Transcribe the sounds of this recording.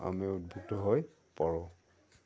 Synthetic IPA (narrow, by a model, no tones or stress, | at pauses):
a̰miud̚bʱuk̚tɔɦoj | paɹɔ̃